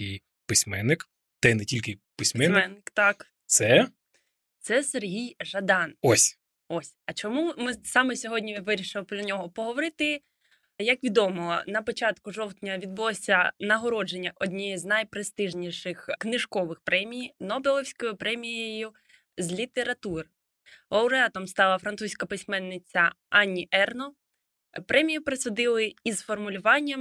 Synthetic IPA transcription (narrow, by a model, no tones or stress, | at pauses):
ɪj | pɪsʲmɛnːɪk | t̪ɛnɛtʲilʲkɪpɪsʲmɛnmɛnːɪkt̪ɑk | t̪sɛ | t̪sɛserɦʲijʒɐd̪ɑnɔsʲ | ɔsʲɐt͡ʃɔmumɪsɑmɛsʲɔɦɔdʲnʲiʋɪɾʲiʃɪlˠpɾɔnʲɔɦɔpɔɦɔʋɔɾɪt̪ɪ | jɐkʋʲid̪ɔmɔɔnɐpɔt͡ʃɑt̪kʊʒɔwt̪ʲnʲɐʋʲid̪̚bʊlˠɔsʲɐnɐɦɔɾɔd͡ʒenʲːɐʔɔd̪ʲnʲɛjiznɐjpɾest̪ɪʒnʲiʃɪxknɪʒkɔʋɪxpɾʔɛmʲijnɔbelˠɔwsʲkɔjʊpɾɛmʲijejʊ | zʲlʲit̪eɾɐt̪ur | ɐwɾeɑt̪ɔmst̪ɑlˠɐfɾɐnt̪usʲkɐpɪsʲmɛnːɪt͡sʲɐɑnʲːiʔɛrnɔ | pɾʔɛmʲijipɾɪsʊd̪ɪlˠɪizfɔrmʊlʲʊʋɑnʲːɐm